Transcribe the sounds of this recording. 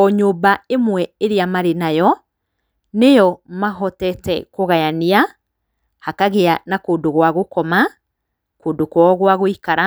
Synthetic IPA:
ɔɲoːbaemwɛeɾeamaɾenajɔ | nejɔmaɦɔtɛtɛkoɣajania | hakaɣeanakoːndoɣwaɣokɔma | koːndokwɔɣwaɣoikaɾa

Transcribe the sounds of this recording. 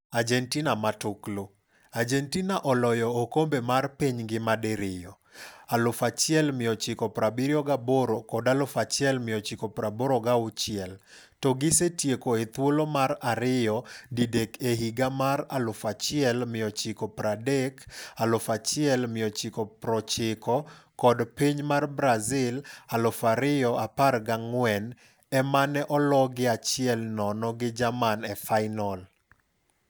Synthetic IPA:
ad͡ʒɛntinamatʊklo | ad͡ʒɛntinaʔɔlɔjɔːkombemarpiɲɡɪmadɛɾɪjɔ | alʊfat͡ʃɪɛlmɪɔt͡ʃɪkɔpɾabiɾjɔɡaboɾokɔdalʊfat͡ʃɛlmɪjɔt͡ʃɪkɔpɾaboɾoɡaʊt͡ʃɪɛl | tɔɡɪsetjekoet̪wolomaɾaɾɪjɔdidekeɦiɡamaralʊfat͡ʃɪɛlmɪjɔt͡ʃɪkɔpɾadekalʊfat͡ʃɪɛlmɪjɔt͡ʃɪkɔpɾɔt͡ʃɪkɔkɔdpiɲmarbɾazɪlalʊfaɾɪjɔaparɡaŋwɛn | ɛmanɛʔɔlɔɡɪat͡ʃɪɛlnɔnɔɡɪd͡ʒamanɛfaɪnɔl

